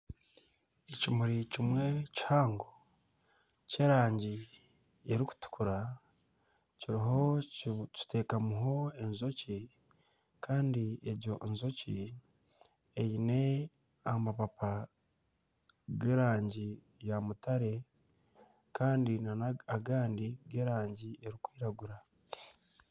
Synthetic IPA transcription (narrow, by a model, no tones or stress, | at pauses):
ecimuɾicimwe̞ci̥haːŋɡo | ce̞ːɾaːɲɟi | eɾiku̥tu̥kuɾa | ciɾiɦo̞cu̥teːkamuɦo̞e̞nzo̞ci | kʰaːndieɟoʔenzo̞ci | ejine̞ | amapapa | ɡeːɾaːɲɟi | jamutaɾe̞ | kaːndinanaaɡaːndiɡe̞ːɾaːɲɟieɾikwiːɾaɡuɾa